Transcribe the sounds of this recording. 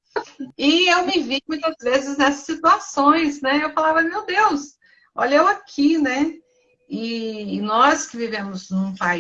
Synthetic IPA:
ɪewmɪvimũj̃t̪ɐzvezɪznɛsɐ̥sːit̪uasõj̃snɛewfalavɐmewd̪ews | o̰ʎɐewakʰinɛ | ɪnɔskɪvivẽmʊznũpa

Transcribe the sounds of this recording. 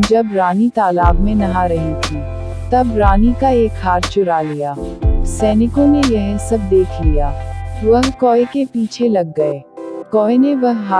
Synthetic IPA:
d͡ʒɐbɾaːnit̪aːlaːɡmẽnɐɦaɾɐɦit̪ʰi | t̪ɐbɾaːnikaeːkɦaːɾt͡ʃʊɾalijaːsɛːnɪkõnejɐɦɛ̃sɐb̚d̪eːkʰlijaːʋɐɦkɔːekepiːt͡ʃʰelɐɡːɐeːkɔːeneʋɐɦɦa

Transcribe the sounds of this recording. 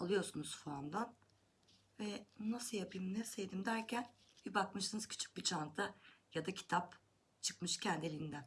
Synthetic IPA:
alˠɯjo̞ɾsunuz̥fuand̪an | vɛnasɯjapʰɯjmnɛsejd̪imd̪æɾcʰæn | bibakmɯʃɯnɯz̥cʰy̥t͡ʃʰy̥c̚bit͡ʃʰant̪ʰajad̪acʰi̥t̪ʰap | t͡ʃʰɯ̥kmɯʃcʰænd̪elʲiind̪æn

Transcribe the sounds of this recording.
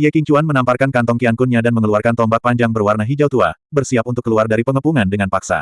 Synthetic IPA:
iakiɲt͡ʃuanmənamparkankant̪ɔŋkiaŋkunɲadanməŋəluarkant̪ɔmbak̚paɲd͡ʒaŋbərwarnaɦid͡ʒawt̪uabərsiapunt̪ʊkːəluardaɾipəŋəpuŋandəŋanpaksa̰

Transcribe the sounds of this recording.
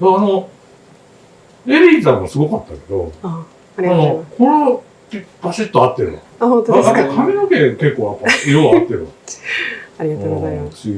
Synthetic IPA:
jaano̞ | eɾʲizaosɨɡo̞kat̪ːake̞d̪o̞̰a | anokʰoɾo | baɕit̪ːo̞at̪ːe̞ɾɯ̟ã̰akakʰamʲinokẽke̞kːoːapːaiɾoat̪ːeɾɯ̟a̰ | aɾiaoɡozamaɕi

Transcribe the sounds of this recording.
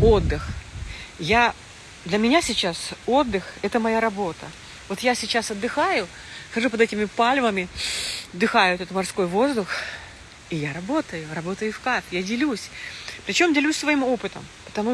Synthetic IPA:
o̞d̪ːɨx | ja | d̪lʲəmʲɪnʲasʲɪt͡ɕːaso̞d̪ːɨxɛt̪əmɐjaɾɐbo̞t̪ə | vo̞t̪jasʲɪt͡ɕːasɐd̪ːɨxajʊ | xɐʐupəd̪ɛtʲɪmʲɪpalʲvəmʲɪɐd̪ːɨxajʊt̪ɛt̪mɐrsko̞jvo̞zd̪ʊx | ɪjaɾɐbo̞t̪əjʊɾɐbo̞t̪əjʊfkat̪jadʲɪlʲusʲpɾʲɪt͡ɕo̞mdʲɪlʲusʲsvɐimo̞pɨt̪əmpə̥t̪ɐmu

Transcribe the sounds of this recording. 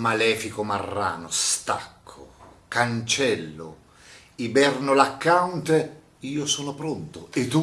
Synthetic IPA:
malɛːfikʊmarːa̰ːnʊst̪a̰kʰːʊ | kant͡ʃɛlːʊ̰ | ibɛrnʊlakːant̪e | iːosɔːnʊpɾɔnt̪ʊɪd̪u

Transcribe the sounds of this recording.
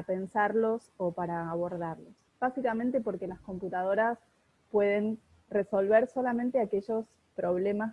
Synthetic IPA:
ape̞nsaɾlo̞sopaɾaːβo̞ɾðaɾlo̞s | b̥asikament̪epo̞ɾkelasko̞mput̪að̞o̞ɾas | pwe̞ð̞e̞n | reso̞lβe̞ɾso̞lament̪eake̞ʒo̞s | pɾo̞β̞le̞ma

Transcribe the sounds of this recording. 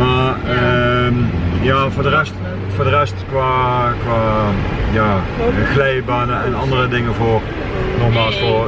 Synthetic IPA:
maːəmjaːvʊːdərɛst | voːɹdərɛstkʋaːkʋaːjaːxlɛjbaːnəɛnɑndərədɪŋənvoːr | nɔxmaːlˠsfoː

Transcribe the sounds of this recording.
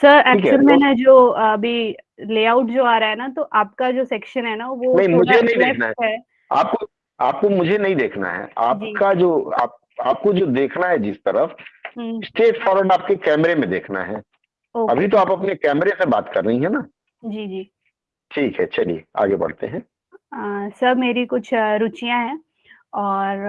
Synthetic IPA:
sɐɾɛːikəɾmɛ̃nɛd͡ʒoːɐbʱileːaʊʈd͡ʒoːaːɾaɦɛnat̪oʔaːp̚kad͡ʒoːsɛːkʃənɦɛnaʋonɐ̃ɦĩmʊd͡ʒʱenɐɦĩd̪eːknaɦɛɦɛː | a̰ːp̚ko | a̰ːp̚komʊd͡ʒʱenɐɦĩd̪eːkʰna̰ɦɛ̰a̰ːpːkad͡ʒoːa̰ːp̚ | aːp̚kod͡ʒoːd̪eːkʰnaɦɛd͡ʒɪst̪ɐɾəfsʈeːʈfʰɔːɾəɖaːp̚kekɛːmɾemẽd̪eːkʰna̰ɦɛː | oːɐbʱit̪̬oaːpɐpnekɛːmɾemẽbaːt̪kɐɾːɐɦiɦɛna | d͡ʒiːd͡ʒiː | ʈʰiːkɦɛt͡ʃɐlḭea̰ːɡebɐ̰ɽ̤t̪ḛɦɛ̃ː | sɐbmeːɾikʊt͡ʃʰɾʊt͡ʃijãɦɛː | ɔːɾ

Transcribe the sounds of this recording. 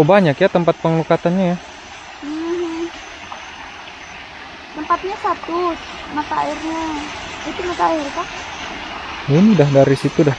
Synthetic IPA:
baɲakjat̪əmpat̪̚pəŋlukat̪anɲaja | m̩ɦ̩ | t̪əmpat̪̚ɲasat̪us | mat̪aa̰irɲait̪ulukairk̪a | inidahdaɾisit̪uda

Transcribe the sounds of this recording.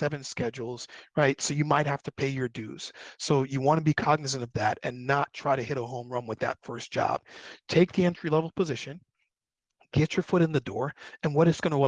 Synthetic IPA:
sɛvɨ̃nskɛd͡ʒl̩ˠz̥ɹaɪtsoʊjɨmaɪt̚hæftɨpʰeɪjə˞dʉ̰z̥soʊjɨwɑ̃ñɨbikʰɑɡ̚nɨs̬ɨ̃ñʌvðæɾɨ̰̃nːətʰɹ̥aɪɾɨhɪɾəɦõʊ̃mɹʌ̃mwɨðɨ̰tfɜ˞sd̥ʒ̥ɑ̰b̥̚tʰeɪk̚ðiɛ̃ntʰɹ̥ilɛvl̩ˠpʰəzɪʃɨ̃n | ɡ̥ɛt͡ʃə˞fʊɾɨ̃nðɨdɔɹɨ̃nwʌɾɨtsɡ̥ʌñəwɛ

